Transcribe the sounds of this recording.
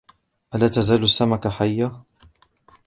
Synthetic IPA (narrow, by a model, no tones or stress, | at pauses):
ʔalaːt̪azaːlʊsːamakaħajːa